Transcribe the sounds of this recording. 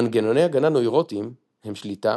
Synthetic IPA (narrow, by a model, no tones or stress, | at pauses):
anɡeno̞ne̞jaɡananojʁotim | hemʃlita